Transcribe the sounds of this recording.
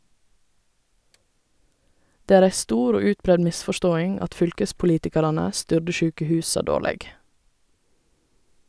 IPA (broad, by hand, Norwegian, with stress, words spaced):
ˈdeː ˈæːɹ ˈæɪ ˈstuːɾ ˈoː ˈʉːtˌbɾɛd ˈmɪsfɔˌʃtoːɪŋ ˈɑt ˈfʏlkəspʊˌliːtɪkɑɾɑnə ˈstʏɖə ˈʃʉːkəˌhʉːsɑ ˈdoːlɛɡ